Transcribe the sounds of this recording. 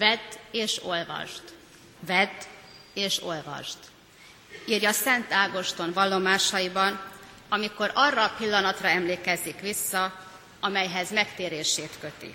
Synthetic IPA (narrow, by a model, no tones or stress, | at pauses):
vɛd̪eːʃo̞lvɒ̰ʃt̪ | vɛd̪ | eːʃo̞lvɒ̰ʃt̪ | iːrjɒsɛnt̪aːɡo̞ʃt̪o̞nvɒlːo̞maːʃɒjibɒn | ɒmiko̞ɾɒrːɒːpilːɒnɒt̪rɒɛmleːkɛzikʋisːɒ | ɒmɛjɦɛzmɛkt̪eːɾeːʃeːt̪kø̞t̪ḭ